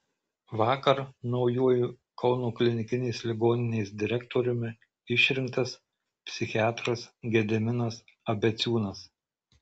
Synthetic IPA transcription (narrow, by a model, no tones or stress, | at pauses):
ʋɑːkɐɾnɒʊjuɔju | kɒʊnoːklʲɪnʲɪkʲɪnʲɛɪslʲɪɡoːnʲɪnʲɛɪsd̪ʲɪɾʲɛkt̪oːɾʲʊmʲɪ | ɪʃʲɾʲɪŋkt̪ɐs | pʲsʲɪxʲɪɑːt̪ɾɐsɡʲɛd̪ʲɛmʲɪnɐsɐbʲɛt̪sʲuːnɐs